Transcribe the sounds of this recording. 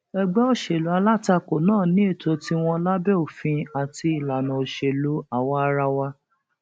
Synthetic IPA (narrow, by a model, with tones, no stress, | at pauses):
ɛ˧ɡ͡bɛ˦o˦ʃe˨lu˨˦a˧la˦ta˧ko˨nãː˦˨nĩ˨˦e˦˨to˧ti˦w̃ɔ̃˧la˦bɛ˦o˨fĩ˧a˨ti˧i˨la˨nã˨o˨ʃe˨lu˨˦a˨wɔ˧a˧ɾa˧wa˧